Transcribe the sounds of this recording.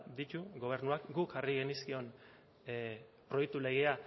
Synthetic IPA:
d̪it̪uɣo̞β̞e̞ɾnuakɡukariɣe̞niskio̞n | pɾo̞jek̚t̪ule̞ɣ̞e̞a

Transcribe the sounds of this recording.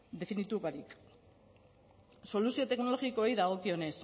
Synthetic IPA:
d̪e̞finit̪uβaɾik | so̞lusio̞t̪e̞kno̞lo̞ɣikojðaɣ̞o̞kio̞ne̞s

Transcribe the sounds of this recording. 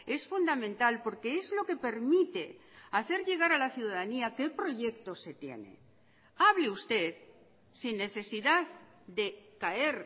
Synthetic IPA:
e̞sfund̪amẽnt̪alpo̞ɾke̞ezlo̞ke̞pe̞ɾmit̪e̞aθe̞ɾʎe̞ɣ̞aɾalaθjuðaðaniake̞pɾo̞ʝe̞kt̪o̞se̞t̪je̞̰nḛ | aβleust̪e̞ð | sinːe̞θe̞siðað | d̪e̞kae̞ɾ

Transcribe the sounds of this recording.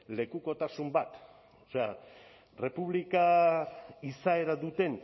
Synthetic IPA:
le̞kuko̞t̪asumbat̪ | ose̞a | re̞puβlika | isae̞ɾaðut̪e̞n

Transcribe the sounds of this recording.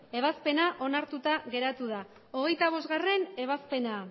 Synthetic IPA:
e̞βaspe̞naʔo̞naɾt̪ut̪aɣe̞ɾat̪uð̞a | o̞ɣ̞e̞jt̪aβ̞o̞zɣare̞ne̞β̞aspe̞na

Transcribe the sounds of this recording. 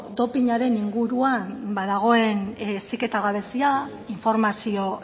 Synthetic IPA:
d̪o̞piɲaɾe̞niŋɡuɾuambaðaɣ̞o̞e̞nsike̞t̪aɣaβ̞e̞sia | iɱfo̞ɾmasio̞

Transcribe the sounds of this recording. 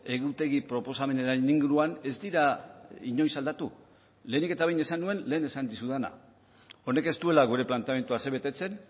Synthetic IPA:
e̞ɣut̪e̞ɣipɾo̞po̞same̞naɾaniŋɡuɾuane̞zd̪iɾaiɲo̞jsald̪at̪u | le̞ːnike̞t̪aβejne̞sanːue̞nle̞ːne̞sand̪isuðana̰ | o̞ne̞ke̞st̪ue̞laɣ̞uɾe̞plant̪eame̞nt̪uase̞βe̞t̪e̞t͡se̞n

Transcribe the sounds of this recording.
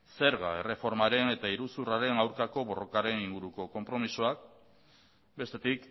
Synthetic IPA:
se̞ɾɣae̞re̞fo̞ɾmaɾe̞ne̞t̪aiɾusuraɾe̞nawɾkako̞βo̞ro̞kaɾe̞niŋɡuɾuko̞ko̞mpɾo̞misoak̚ | be̞st̪e̞t̪ik

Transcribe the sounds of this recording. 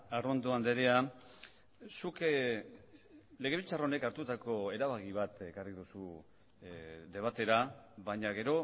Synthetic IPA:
arond̪uand̪e̞ɾe̞a | suk | le̞ɣe̞β̞ilt͡saraone̞kaɾt̪ut̪ako̞e̞ɾaβaɣiβ̞at̪e̞kariðusu | d̪e̞β̞at̪e̞ɾaβaɲaɣe̞ɾo̞

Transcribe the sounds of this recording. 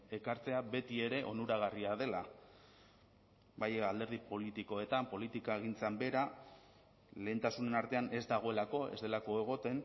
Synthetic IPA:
e̞kaɾt͡se̞abe̞t̪ie̞ɾe̞ʔo̞nuɾaɣ̞ariað̞e̞la | bajald̪e̞ɾð̞ipo̞lit̪iko̞e̞t̪ampo̞lit̪ikaeɣ̞int͡sambe̞ɾa | le̞ːnt̪asune̞naɾt̪e̞ane̞zd̪aɣ̞o̞e̞lako̞e̞̰zd̪e̞lako̞e̞ɣ̞o̞t̪e̞n

